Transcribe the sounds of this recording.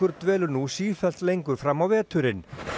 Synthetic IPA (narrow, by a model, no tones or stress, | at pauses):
ʏɾ̥t̪vɛːlʏnusiːfɛl̥t̪lejŋkʏɾ̥fɾamawvɛːt̪ʏɾɪn